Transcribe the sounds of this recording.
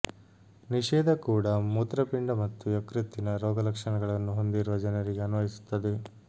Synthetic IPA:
niʂɛːd̪ʱɐkuːɽɐmut̪ɾɐpiɳɖɐmɐt̪ːujɐkɾit̪ːinɐɾɔːɡɐlɐkʂɐɳɐɡɐɭɐnːuɦond̪iɾuʋɐd͡ʒɐnɐɾiɡe̞ɐnuʋɐɦisu̥t̪ːɐd̪e̞

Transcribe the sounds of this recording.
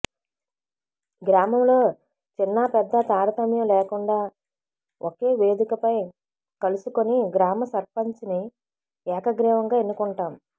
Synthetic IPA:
ɡɾaːmɐmlo̞ː | t͡ʃinːɐpɛd̪ːɐt̪aːɾɐt̪ɐmjɐmlɛːkuɳɖaː | ʔokeːʋe̞ːd̪ikɐpɐj | kɐlusukoniɡɾaːmɐsɐɾpɐɲt͡ʃini | ɛːkɐɡɾɛːʋɐŋɡaːenːukuɳʈaːm

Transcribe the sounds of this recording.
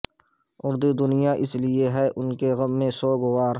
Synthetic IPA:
ʊɾd̪ud̪ʊnɪjaʔɪslɪeɦɛʔʊnkeɣɐbmẽsoːɡʊwaːɾ

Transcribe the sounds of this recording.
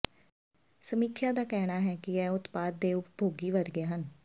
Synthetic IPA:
səmiːkʰjad̪aːkɛːɽ̃aːɦɛːkiɛːʊt̪paːd̪̚ːeːʊpbʱoːɡiːʋəɾɡjaɦən

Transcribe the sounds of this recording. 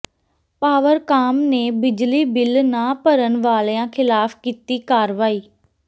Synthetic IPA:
paːʋəɾkaːmneːbɪd͡ʒliːbɪlnaːpəɾənʋaːleãːkʰɪlaːfkiːt̪iːkaːɾʋaːiː

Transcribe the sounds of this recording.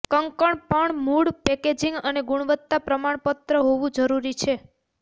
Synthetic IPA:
kəŋkəɳpəɳmuɽpɛked͡ʒiŋɡəneɡuɽ̃ʋət̪ːapɾəmaɳpət̪ɾəɦoʋũd͡ʒəɾuɾit͡ʃʰe

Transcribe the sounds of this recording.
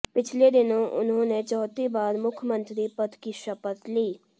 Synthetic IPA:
pɪt͡ʃʰled̪ɪnõʔʊ̰nɦõnet͡ʃɔːt̪ibaːɾmʊkʰjəmə̃nt̪ɾipət̪ʰkiʃəpət̪liː

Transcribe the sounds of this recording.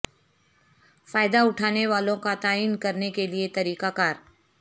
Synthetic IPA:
faːjd̪aʊʈʰaːneʋaːlõkat̪aːiːnkɐɾnekeliet̪ɐɾiːkakaːɾ

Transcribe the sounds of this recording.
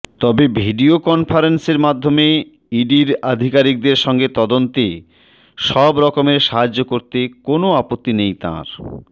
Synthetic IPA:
t̪ɔbebʱiɖiokɔnfʰaɾenseɾmad̪ʱːome | iɖiɾad̪ʱikaɾik̚d̪eɾʃɔŋɡet̪ɔd̪ont̪e | ʃɔbɾɔkomeɾʃaɦad͡ʑːokoɾt̪ekonoapot̪ːinejt̪ã̰ɾ

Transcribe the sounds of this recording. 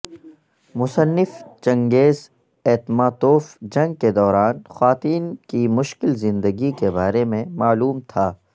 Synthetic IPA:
mʊsənːɪft͡ʃɐ̃ŋɡeːz | ɛːt̪maːt̪oːfd͡ʒɐ̃ŋɡ̚ked̪ɔːɾaːnxwaːt̪iːnkimʊʃkɪlzɪ̃nd̪əɡikebaːɾemẽmaːluːmt̪ʰaː

